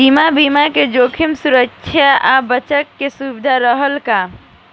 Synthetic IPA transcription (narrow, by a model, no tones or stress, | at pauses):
imabimaked͡ʒoːkʰimsuɾəkʃʰjaʔabət͡ʃəkːesubd̪ʱaɾəɦəlka